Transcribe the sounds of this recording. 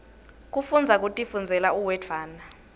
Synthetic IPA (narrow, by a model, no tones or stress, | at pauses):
k̬ʼufund͡zʱak̬ʼutʼifund͡zʱɛlauwɛd͡vʰʱaːna